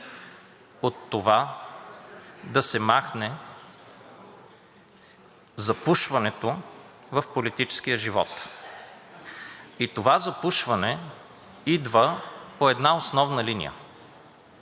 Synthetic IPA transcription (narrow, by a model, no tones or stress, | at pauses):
ot̪ːova | d̪ɐsɛmaxnɛ | zɐpuʃvɐnɛt̪o | vɐfpolit̪it͡ʃɛ̥sk̟ijəʒivɔ̰t̪ | it̪ovazɐpuʃvɐnɛ | id̪vəpoɛd̪naosnɔvnəlinḭjə̰